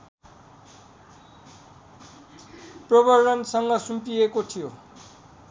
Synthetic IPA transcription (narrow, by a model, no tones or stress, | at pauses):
prʌbʌrːʌnsʌŋɡʌsumpiekot̪ʰijo